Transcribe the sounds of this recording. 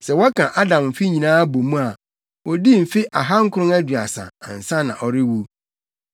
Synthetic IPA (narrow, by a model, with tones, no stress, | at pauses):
sɛ˨wɔ˦kʰã˨ʔa˦dã˨mm̩˨fi˦ɲĩ˨nãː˦bo˨mũ˦a˨ | wɔ˦di˦m̩˨fɪ˦ʔa˨ɦa˦ŋ̩˦kʰʊ˦ʊ̃˦ŋæ˦dɥa˨sã̰˨a̰˨n̩˨sã˦nã̰˨ʔɔ˨ɾɪ˦wu˦